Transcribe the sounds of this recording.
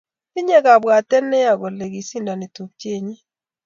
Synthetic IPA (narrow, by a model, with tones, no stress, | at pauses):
i˦ɲe˦ka˨bwa˨tɛ˦nɛ˦a˨ɡɔ˨le˨ɡi˨si˦nda˨ni˨tu˨k̚t͡ʃe˦˨ɲi˦